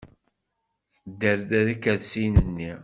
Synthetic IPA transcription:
θd̪ːəɾðæðikæðsinənːi

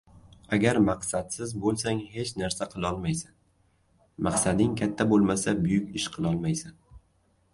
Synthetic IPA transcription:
aɡʲaɾmaqsat̪sɪzbolˠsaŋhe̞t͡ʃnaɾsaqʰɨlˠɒlˠmajsan | mɑqsad̪ɪŋkʲʰat̪ʰːabolˠmasabʊjʊkʲɪʃqʰɨlˠɒlˠmajsan

